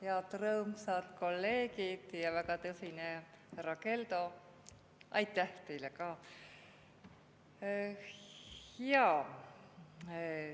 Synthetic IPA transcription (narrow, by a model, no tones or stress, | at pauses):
heɑt̪rɤːmsɑt̪ko̞lːe̞ːkid̪̥jɑvækɑt̪ɤsine | rɑke̞ld̪o̞ | ʔɑ̰jt̪ːˑæht̪e̞jlekɑː | hjɑ